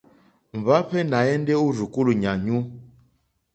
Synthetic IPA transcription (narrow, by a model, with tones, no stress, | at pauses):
ɱ̩˨va˦ɸɛ˦na˨ɛ˦ndɛ˦u˦ɾu˨ku˦lu˨ɲa˨ɲu˦